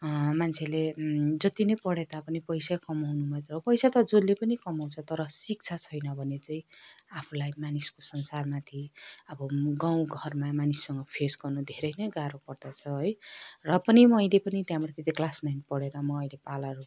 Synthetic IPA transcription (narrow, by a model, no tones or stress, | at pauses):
mant͡sʰeled͡zʌt̪inʌjpʌɽed̪apʌnipʌjsakʌmawnumʌet̪ʌɾʌpʌjsat̪ʌd͡zolːepʌnikʌmaw̃t͡sʰʌt̪ʌɾʌsik̚t͡sʰat͡sʰʌjnʌbʱʌnet͡saĩapʰulajmaniskosʌnsarmat̪ʰiʌbʌɡãw̃ɡʱʌrmamanisːʌŋɡʌpʰesɡʌrnud̪ʱeɾʌjnʌjɡaɾopʌrd̪ʌt͡sʰʌɦʌjrʌpʌnimʌjlepʌnit̪jãmɾat̪et̪iklasnajnpʌɽeɾʌmʌːjlepalʌɾu